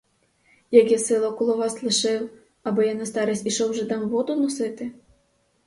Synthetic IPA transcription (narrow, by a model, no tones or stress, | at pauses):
jakʲɛsɨlˠɔkulˠɔvaslˠɨʂɛw | abɔjanast̪aɾɨsʲiʂɔwʐɨd̪amvɔd̪unusɨt̪ɨ